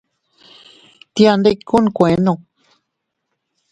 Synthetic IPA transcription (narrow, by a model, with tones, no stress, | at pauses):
t̪ja˧nd̪e˦˧kku˦n˧kʷẽ˨˦nõ˧˨